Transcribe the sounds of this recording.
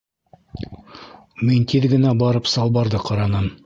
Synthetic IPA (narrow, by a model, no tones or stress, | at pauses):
mint̪ʰiðɡɘ̆næbɑɾɤpsɑlˠbɑɾðɤqɑɾɑnɤm